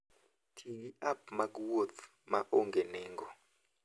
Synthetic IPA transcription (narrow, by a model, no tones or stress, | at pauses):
tʰiiʔap̚maɡwɔt̪ | maʔɔŋɡɛnɛːŋɡɔ